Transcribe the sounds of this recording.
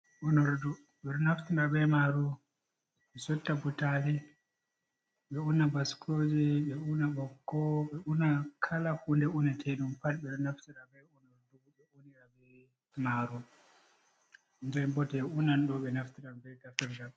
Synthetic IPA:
unɔɾdu | ɓɛɾnaftiɾaɓɛmaɾu | ɓɛsɔtːabutali | ɓɛunabaskʰɔd͡ʒɛɓɛunaɓɔkːɔɓɛunakʰalahundɛunatʰɛɗumpalɓɛɾnaftiɗaɓɛunɔɾduuɓɛuniɗabɛ | maɾu | nd͡ʒɛmbɔtɛunanɗɔɓɛnaftiɗambɛɡafɛɾda

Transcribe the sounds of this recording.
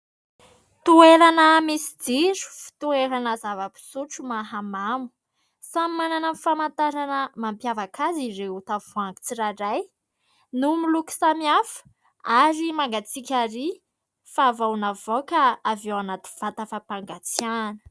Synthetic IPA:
t̪ueɾanəmisi̥d͡ziɾu̥fi̥t̪ueɾanəzavapi̥suʈ͡ʂumaɦamamu̥ | samimananənifamant̪aɾanəmampjavakʰaziɾeut̪avuaŋɡi̥t͡siɾaɾaj | numiluki̥samiafə̥ | aɾimaŋɡat͡sikʲaɾi | favawnavokaːvewanat̪i̥v̥at̪afapaŋɡat͡sjanə̥

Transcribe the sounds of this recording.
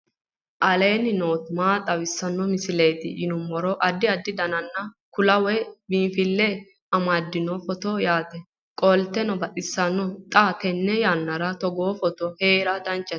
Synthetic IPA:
ʔɐleːnɪnoːt̪maːt̪ʼɐwɪsːɐnːɔmɪsɪleːt̪ɪ̰ʔɪnʊmːɔɾɔʔɐd̪ːɪɐd̪ːɪd̪ɐnɐnːɐ | kʊlɐwɛbinfɪlːɛ | ɐmad̪ːɪnɔfɔt̪ɔjaːt̪ɛ | kʼɔlt̪ːɛnɔbɐʔʼɪsːɐnːɔt̪ʼat̪ɛnːɛjaːnːɐɾɐt̪ɔɡoːfɔt̪ɔheːɾɐd̪ɐnt͡ʃːɐ

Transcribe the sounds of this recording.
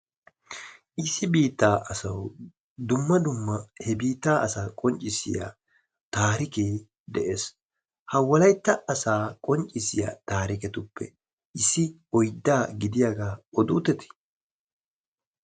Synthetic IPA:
ʔɪsːɪbiːt̪ːaːʔɐsɐw | d̪ʊmːɐd̪ʊmːɐhɛbiːt̪ːaːʔɐsaːkʼɔnt͡ʃʼɪsɪ̰ja̰ | t̪aːɾɪkeː | d̪ɛʔeːs | hɐwɐlɐjt̪ːɐːsaːkʼɔnt͡ʃʼːɪsɪja̰ːt̪aːɾɪkɛt̪ʊpːɛ̰ | ʔɪsːɪ | ɔjd̪ːaːɡɪd̪ɪjaːɡaːɔd̪uːt̪ɛt̪ɪ̥

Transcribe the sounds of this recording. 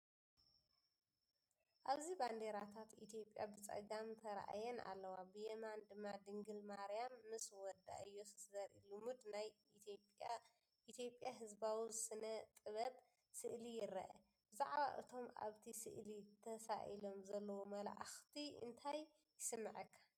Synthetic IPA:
ʔaβziband̪eɾat̪ʰat̪it̪ʰijo̞pʼjabɨt͡sʼɐ̰ɡamt̪ʰɐɾʔa̰jɛna̰lːɐwabɨjemand̪ɨmːad̪ɨŋɡɨlmaɾijamːɨswɔd̪a̰ʔɨjːo̞sɨ̥sd̪ɐɾḭlumud̪naj | pʼ | ʔit̪ʰjo̞pʼjaɦɨzbawizɨsɨnɐt̪ʼɨβɐb | sɨʔlijɪɾɐ̰ʔɐ | b̥ɨzaʕβa̰ʔɨ̰t̪ʰo̞ma̰βt̪ʰisɨ̰ʔlit̪ʰɐsa̰ʔḭlo̞mzɐlːɐwomɐla̰ʕaxt̪ʰiɨ̰nt̪ʰajː | ɪsɨmːɨʕɐkʰːḁ

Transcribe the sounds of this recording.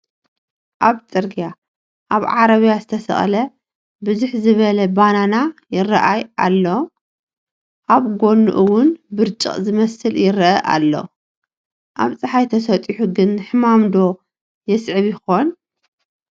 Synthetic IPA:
ʔaβt͡sʼɨɾɡija | ʔaβʕaɾɐβijazɨt̪ʰɐsɐ̰χʼlɐ | bɨzuħzɨβɐlɐbananajɪrɐ̰ʔajʔa̰lːo̞ | ʔaβɡo̞nːṵʔɨwʊnbɨɾt͡ʃʼɨ̰χʼzɨmɐsɨljɪɾɐʔɐʔa̰lːo̞̰ | ʔaβt͡sʼɐħajt̪ʰɐsɐt̪ʼiħuɡɨnːɨħɨmamd̪o̞ | jɛsʕɨβjɪxo̞n

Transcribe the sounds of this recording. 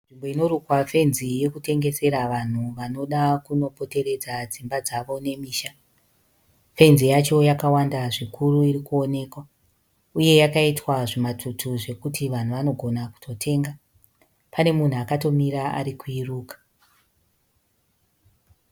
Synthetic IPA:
nʐimbo̞ino̞ɾukwafe̞nzije̞kute̞ŋɡe̞se̞ɾaʋan̤uʋano̞ɗakuno̞po̞te̞ɾe̞d͡zad͡zimbad͡zaʋo̞ne̞miːʃa | fe̞nzijat͡ʃo̞jakawandaʐikuruiɾikuo̞ne̞ːkwa | uje̞jakaitwaʐimatʰutʰuʐe̞kutʰiʋan̤uʋano̞ɡʱo̞naku̥tʰo̞tʰe̞ːŋɡa | pʰane̞mun̤uakato̞miɾaa̰ɾikuiruːkḁ

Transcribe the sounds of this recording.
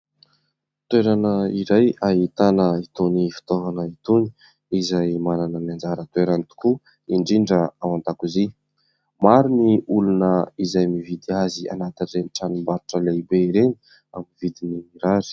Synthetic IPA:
t̪weɾanəiɾajaɦit̪anəit̪onifi̥t̪ovanəit̪oni̥ | izajmananənand͡zaɾət̪weɾanit̪u̥ku | iɳɖ͡ʐiɳɖ͡ʐəawant̪akuzi | maɾiniulunəizajmivid̪iazia̰nat̪inreniʈ͡ʂanimbaɾuʈ͡ʂəleibeiɾeni̥ | amiivid̪inimiɾaɾi̥

